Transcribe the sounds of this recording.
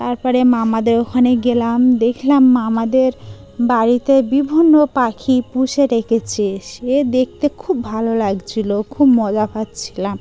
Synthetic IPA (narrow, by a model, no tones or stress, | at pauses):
t̪aɾpɔɾemamad̪eɾokʰaneɡelamd̪ekʰlamːamad̪eɾ | baɾit̪ebibʱinːopakʰipuʃeɾekʰet͡ɕʰeʃed̪ek̚t̪ekʰubːʱalolaɡt͡ɕʰilokʰubmɔd͡ʑafat̪t͡ɕʰilam